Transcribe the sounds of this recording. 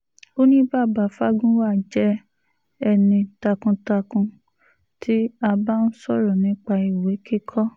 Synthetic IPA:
o˦nĩ˦ba˦˨ba˨fa˦ɡũ˦wa˦˨d͡ʒɛ˦ | ɛ˧nĩ˧ta˧kũ˧ta˧kũ˧ | tʰi˨˦a˧ba˦n̩˦sɔ˦˨ɾɔ˨nĩ˨˦k͡pa˧i˨we˨˦ki˦kʰɔ˦

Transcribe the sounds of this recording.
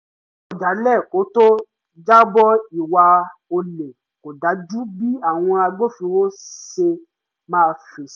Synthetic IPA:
ɔ˨da˨˦lɛ˦˨ko˨˦to˦ | d͡ʒa˦bɔ˦i˨wa˧o˧le˨ | ko˨da˨˦d͡ʒu˦bi˦a˦˨w̃ɔ̃˧a˧ɡ͡bo˦fĩ˧wo˦se˧ | mãː˦˧fe˨

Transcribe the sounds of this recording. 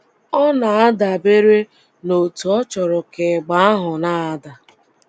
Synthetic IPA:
ɔ˦na˨a˦da˨be˦ɾe˦ | no˨tu˨ɔ˦t͡ʃɔ˨ɾɔ˨ke˨ɡ͡ba˨˦a˦ɦʊ˨na˦a˨da˨

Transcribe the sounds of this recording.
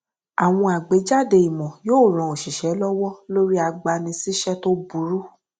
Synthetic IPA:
a˨w̃ɔ̃˧a˨ɡ͡be˨˦d͡ʒa˦˨de˧i˨mɔ̃˨joː˦˨ɾ̃ã˨o˨ʃi˨ʃɛ˨˦lɔ˦wɔ˦lo˦ɾi˦a˧ɡ͡ba˧nĩ˧si˦ʃɛ˦to˦bu˨˦ɾu˦

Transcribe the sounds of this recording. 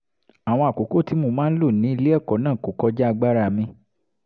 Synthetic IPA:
a˨w̃ɔ̃˧a˨ko˨˦ko˦ti˨˧˦mo˧˨mãː˦n̩˦lo˦˨nĩ˨˦i˧le˦ɛ˦˨kɔ˨˦nãː˦˨ko˨˦kɔ˦d͡ʒa˦a˧ɡ͡ba˦ɾa˦˨mĩ˧

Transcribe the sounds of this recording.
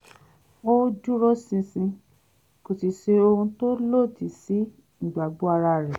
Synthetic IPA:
o˦d͡ʒu˦ɾɔ˦sĩ˧sĩ˧ | ko˨si˨ʃe˧o˧hũ˧to˦lo˦˨ti˨si˨˦ | n̩˨ɡ͡ba˨ɡ͡bo˦a˧ɾa˧ɾɛ˨

